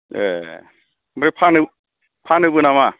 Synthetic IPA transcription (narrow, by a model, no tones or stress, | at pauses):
ḛ | mɔɾepʰanɯ | pʰanɯbɯnama